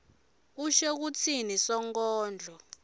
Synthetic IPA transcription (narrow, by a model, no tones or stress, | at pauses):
uʃɛk̬ut͡sʰinisɔŋkɔːnd͡ɮʱɔ